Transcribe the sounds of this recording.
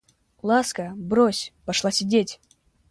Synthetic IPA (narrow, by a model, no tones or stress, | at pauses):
lˠaskəbɾosʲpɐʂlˠasʲɪdʲetʲ